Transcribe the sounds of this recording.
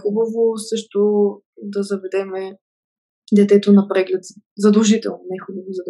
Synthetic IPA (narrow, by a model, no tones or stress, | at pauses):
xubɐvosɤʃt̪ʊ | d̪ɐzɐvɛd̪ɛmɛ | d̪ɛt̪ɛt̪onɐpɾɛɡlɛt̪zɐd̪ɐlˠʒit̪ɛ̰lˠnonɛxubɐvozɐd̪